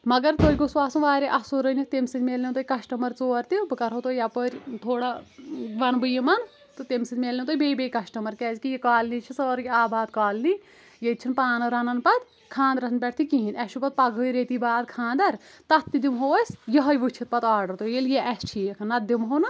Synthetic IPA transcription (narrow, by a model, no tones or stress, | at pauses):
mɐɡɐɾt̪ojʲɡoswaːsuʋaːɾeʔɐsoɾənʲit̪emsit̪meːlnit̪oːikɐʃʈɐmɐɾt͡soːɾt̪ibɨkɐɾɦot̪oːjapəɾʲt̪ʰoːɽaʋɐnbɨjimɐn | t̪ɨt̪emsit̪meːlnẽt̪oːibeːbeːjkɐsʈɐmɐɾkɛːzkijikaːlnit͡ʃʰisɐɾkʲiaːbaːd̪̚kaːlni | jet̪̚t͡ʃʰinpaːnɐɾɐnɐnpɐt̪ | kʰãːnd̪ɾɐɦnpʲɛʈʰt̪ʰikiɦinɐst͡ʃʰupɐt̪̚pɐɡʱəːjɾeːt̪ibaːd̪kʰãːnd̪ɐɾt̪ɐːid̪imɦoːɐsʲjɐɦɐjʋɨt͡ʃʰit̪̚pɐt̪aːɾɖɐɾt̪ojeljeʔɛst͡ʃʰijɐkʰɐnɐt̪̚d̪imɦonɨ